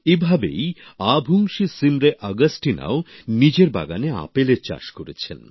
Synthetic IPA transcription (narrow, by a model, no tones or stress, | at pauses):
ebʱabejabʱuŋʃisimɾeʔaɡəsʈina̰onid͡ʑeɾba̰ɡanea̰pelet͡ɕa̰ʃkoɾet͡ɕʰḛn